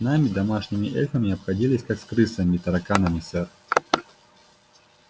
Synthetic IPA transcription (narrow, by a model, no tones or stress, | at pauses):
namʲɪd̪ɐmaʂnʲɪmʲɪʔɛxəmʲɪɐpxɐdʲilʲɪsʲkakskɾɨsəmʲɪt̪ɐɾɐkanəmʲɪsɛr